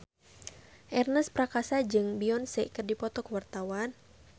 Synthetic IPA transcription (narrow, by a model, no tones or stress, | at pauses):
ʔɛrnəspɾakasad͡ʒɨŋbiɔnsɛʔkərdipɔt̪ɔkəwart̪awan